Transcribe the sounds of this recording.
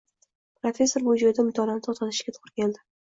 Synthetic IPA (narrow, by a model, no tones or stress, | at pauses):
pɾofʲe̞sːo̞ɾmʊd͡ʒojd̪amʊt̪ʰɒlanɪt̪ʰɒt̪ʰat̪ʰɪ̥ʃkʲat̪ʰo̥ʁɾkʲand̪ɪ